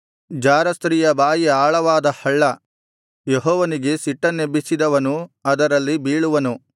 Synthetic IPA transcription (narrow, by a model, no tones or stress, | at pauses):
d͡ʒaːɾɐst̪ɾiːjɐbaːjiaːɭɐʋaːd̪ɐhɐɭːɐ | jeɦɔːʋɐniɡe̞siʈːɐnebisid̪ɐʋɐnuɐd̪ɐɾɐlːibiːɭuʋɐnu